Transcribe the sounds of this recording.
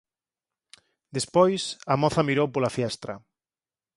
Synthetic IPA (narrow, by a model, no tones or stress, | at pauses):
d̪espojsɐmɔθɐmiɾowpolafjɛst̪ɾɐ